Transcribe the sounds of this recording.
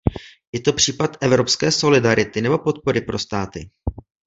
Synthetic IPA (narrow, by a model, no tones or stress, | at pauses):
jɛt̪o̞pr̝̥iːpat̪ʔɛvɾo̞pskɛːso̞lɪdaɾɪt̪ɪnɛbo̞po̞t̪̚po̞ɾɪpɾo̞st̪aːt̪ɪ